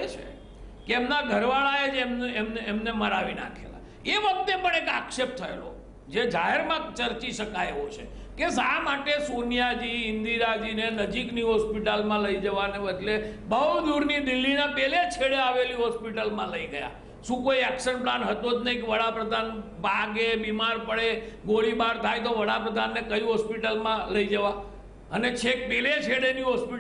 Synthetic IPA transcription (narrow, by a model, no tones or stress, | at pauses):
et͡ʃʰḛ | keːmnaɡʱəɾʋaɭaed͡ʒemnemneemneməɾaʋina̰kʰḛla̰ | eʋək̚t̪epəɳ̃eka̰kʃep̚t̪ʰəḛlo̰ | d͡ʒed͡ʒaɦeɾmãt͡ʃəɾt͡ʃiʃəkaeʋot͡ʃʰḛ | kesamaʈesonijad͡ʒiɪnd̪iɾad͡ʒinenəd͡ʒikniɦɔspiʈalmãləid͡ʒəʋaneʋəd̪lebəwld̪uɾnid̪ilːinãpelet͡ʃʰeɽeaʋeliɦɔspiʈəlmãləiɡəja̰ | ʃũkoiɛkʃənplanɦət̪od͡ʒnəikʋəɽapɾəd̪ʱanbʱaɡebimaɾpəɭeɡoɭimaɾt̪ʰajt̪̬oʋəɽapɾəd̪ʱanːekəiɦɔspiʈəlmãləid͡ʒəʋa | ənet͡ʃʰek̚pelet͡ʃʰeɽeniɦɔspi